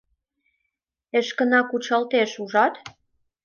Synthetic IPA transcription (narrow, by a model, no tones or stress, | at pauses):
eʃkə̆nɑkut͡ɕɑlt̪eʃuʒɑt̪